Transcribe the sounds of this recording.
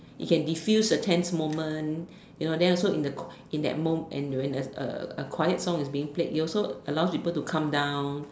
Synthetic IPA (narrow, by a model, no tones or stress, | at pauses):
ḭkɛ̃ndifjusdətʰɛ̃nsmõmə̃n | junodɛ̃nɔlsoĩndəkʰ | ĩndɛ̰t̚mõmɛ̰̃nwɛ̃nəə̰əkʰwajət̚sɔ̃ŋisbiĩŋplet̚hiɔlsoəlawspipəltukʰãmdãw̃n